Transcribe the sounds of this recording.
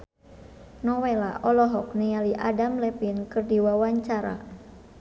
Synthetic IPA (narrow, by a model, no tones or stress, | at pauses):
nɔwela̰ʔɔlɔɦɔk̚nialiʔadamlɛpinkɨrdiwawaɲt͡ʃaɾa̰